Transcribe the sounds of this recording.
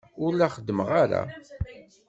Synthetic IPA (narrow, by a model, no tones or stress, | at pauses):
ʊɾlæχəd̪ːəməʁaɾa̰